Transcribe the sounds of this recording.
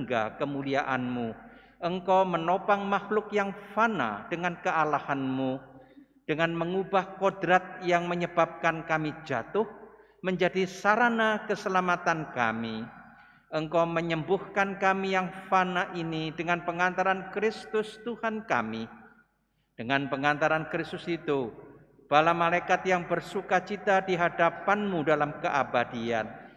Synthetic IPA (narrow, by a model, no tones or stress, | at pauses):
ŋɡa̰kəmuliaʔanmu | ʔəŋkowmənopaŋmahlʊkjaŋfana̰d̥əŋankəalahanmu | d̥əŋanməŋubahkɔdɾat̪̚jaŋməɲəbap̚kankamid͡ʒat̪ʊh | məɲd͡ʒadisaɾanakəsəlamat̪anka̰mi | ʔəŋkawməɲəmbʊhkankamijaŋfanaʔinidəŋanpəŋant̪aɾankɾɪst̪ʊst̪uhanka̰mi | d̥əŋanpəŋant̪aɾankɾɪst̪ʊsit̪u | b̥alamalajkat̪̚jaŋbərsukat͡ʃit̪adiɦadapanmudalamkəʔabadia̰n